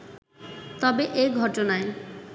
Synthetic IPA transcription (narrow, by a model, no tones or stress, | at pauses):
t̪ɔbeʔeɡʱɔʈonae